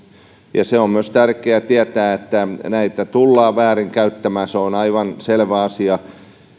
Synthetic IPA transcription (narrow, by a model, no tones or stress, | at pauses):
jɑseommyøst̪ærkeæt̪iæt̪æːet̪ːænæit̪æt̪ulːɑːʋæːriŋkæyt̪ːæmæːseonɑiʋɑnselʋæɑsiɑ